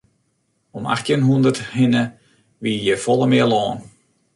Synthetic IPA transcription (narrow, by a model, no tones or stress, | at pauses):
ɔma̰xtjənɦundərthɪnə | ʋiəjəfɔlˠəmɪəlɔːn